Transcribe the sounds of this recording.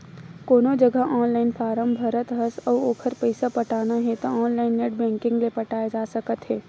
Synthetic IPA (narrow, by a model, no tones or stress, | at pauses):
koːnod͡ʒɐɡʱəʔɔːnlaːɪnfʰaːɾəmbbʱɐɾət̪ɦəsɔːoːkʰəɾpɐɪsapɐʈaːnaɦɛt̪oɔːnlaːɪnːeːʈ̚bɛ̃ːŋkɪ̃ŋɡlepɐʈaːjed͡ʒaːsɐkət̪ɦɛː